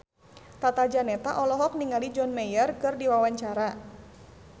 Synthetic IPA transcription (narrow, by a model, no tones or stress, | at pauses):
t̪at̪ad͡ʒanɛt̪aʔɔlɔɦɔk̚niŋalid͡ʒɔnmɛjərkɨrdiwawaɲt͡ʃaɾa